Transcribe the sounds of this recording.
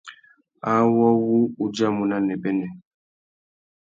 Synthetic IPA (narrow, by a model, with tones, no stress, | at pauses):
a˦wɔ˦wu˦u˦d͡ʒa˦mu˨na˦nɛ˨bɛ˦nɛ˨